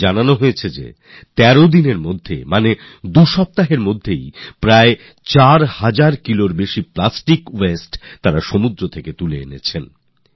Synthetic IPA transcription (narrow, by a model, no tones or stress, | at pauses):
ananoɦojet͡ɕʰed͡ʑḛ | t̪ɛɾod̪ineɾmod̪ʱːḛmane | d̪uʃɔp̚t̪aɦeɾmod̪ʱːejpɾae | t͡ɕaɾhad͡ʑaɾkiloɾbeʃiplasʈikwesʈt̪ːaɾaʃomud̪ɾot̪ʰeket̪ulḛḛnḛt͡ɕʰen